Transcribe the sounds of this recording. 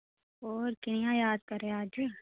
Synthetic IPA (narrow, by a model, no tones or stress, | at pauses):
ɔːɾkɪnijãjaːd̪̚kɐɾeaːd͡ʒ